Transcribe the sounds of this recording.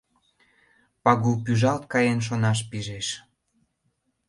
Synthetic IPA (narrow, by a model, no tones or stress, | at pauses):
pɑɣup̬yʒɑlt̪̚kɑjenʃ̬onɑʃ̬piʒeʃ